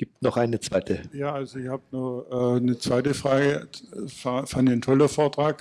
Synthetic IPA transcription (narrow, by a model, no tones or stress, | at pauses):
ɡ̥iːp̚tnɔχʔaɪnət͡sv̥aɪtʰəjaːʔalzoɪçhaːbənuʔɛːnət͡sv̥aɪtəfʁ̥aːɡəfafandɪçn̩tʰɔlɐfoːɐtʁ̥aːk